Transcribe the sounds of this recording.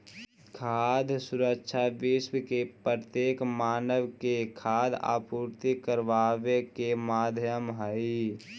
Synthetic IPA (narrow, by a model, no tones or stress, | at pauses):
kʰaːd̪ʱsʊɾəkʃʰaʋɪʃwkept̪jeːkmaːnəʋkekʰaːd̪ʱa̰ːpuːɾt̪ikəɾʋaːʋekemaːd̪ʱjəmɦəi